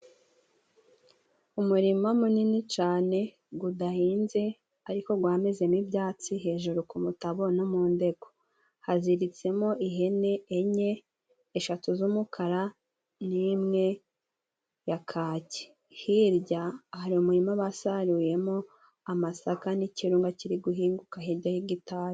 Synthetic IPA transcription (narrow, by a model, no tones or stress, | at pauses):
umuɾimamuninit͡ʃaːne̞ | ɡudahiːnze̞ | aɾiko̞ɡwaːmeze̞mibjaːt͡siɦe̞ːʒuɾukumutaβo̞nomuːnde̞ɡ̥o̞ | haziɾit͡se̞mo̞ʔiɦe̞ne̞ːɲeː | ʃatuzumukʰaɾa | niːmŋe̞ | jakʰaːce̥ | hiɾɟaːhaɾiumuimaβasaɾuje̞mo̞ | amasakaniciɾuːŋɡaciɾiɡuɦiːŋɡukaɦiɾɟahiɡitaɾ